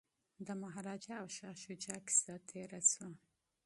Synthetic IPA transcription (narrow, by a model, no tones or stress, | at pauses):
d̪əmaɦɾɑd͡ʒaːwʃɑʃud͡ʒɑki̥sat̪ʰeɾat͡swa